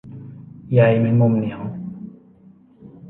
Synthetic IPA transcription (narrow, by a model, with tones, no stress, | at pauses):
jajmɛ˧mɔ˧mni˨hɔ̃˨